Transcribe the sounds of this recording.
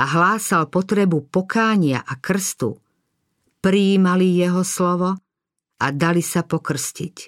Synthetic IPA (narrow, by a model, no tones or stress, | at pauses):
aɦlaːsalpɔt̪ɾɛbupɔkaːɲɪa̰ʔakr̩st̪ṵ | pɾiːmalijɛɦɔslɔʋɔ | ad̪alisapɔkr̩scic